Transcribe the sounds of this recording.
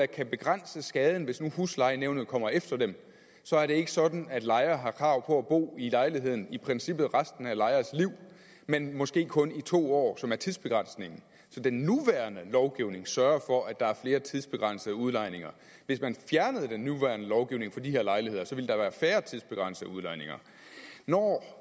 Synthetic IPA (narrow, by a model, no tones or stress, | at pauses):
ækʰæb̥e̝ɡ̥ʁan̰səsɡ̥ɛːð̞ˠn̩ʋe̝snuhuslɑ̈ɪneʊnð̩ˠkʰɒ̽m̰ɐefd̥ɐd̥em | sɒ̽æɐɾe̝e̝ɡ̥əsɒ̽d̥n̩æd̥lɑ̈ɪɐːɦɑ̈kʰʁɑ̈ʊ̰pʰɒ̽æb̥o̝̰ːilɑ̈ɪliɦe̝ð̞̰ˠn̩ipʰʁɛnsib̥ð̞̩ˠʁasd̥n̩ælɑ̈ɪɐːsliʊ̰ | menmɒ̽sɡ̥e̝̰ːkʰɔ̽nit͡sʰo̝̰ːɒ̰ːsɒ̽mæɐt͡sʰiðˠsb̥e̝ɡ̥ʁɑ̈n̰sne̝ŋn̩ | sɒ̽d̥enːuʋæːɐnəlɒʊɡ̥iʊne̝ŋsɶɐɐfɒ̽ʔæd̥ɑ̈æɐfle̝ːɐt͡sʰiðˠsb̥e̝ɡ̥ʁɑ̈n̰səðˠuðˠlɑ̈ɪ̰ne̝ŋɐ | ʋe̝smænfjæɐnəð̞̩ˠd̥enːuʋæːɐnəlɒʊɡ̥iʊne̝ŋfɒ̽d̥ihe̝ɐlɑ̈ɪlihe̝ð̰ˠɐsɒ̽ʋi̝ld̥ɑ̈ʋæːɐfæːɐt͡sʰiðˠsb̥e̝ɡ̥ʁɑ̈n̰səð̩ˠuðˠlɑ̈ɪ̰ne̝ŋɐ̰ | nɒ